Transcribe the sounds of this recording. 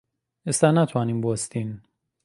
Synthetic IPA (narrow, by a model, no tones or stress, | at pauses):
est̪ænæt̪ʰwanimbost̪in